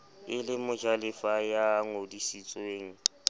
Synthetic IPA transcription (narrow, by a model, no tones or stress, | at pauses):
ɪlɪmʊd͡ʒalɪfajaŋodisit͡sʼweːŋ̩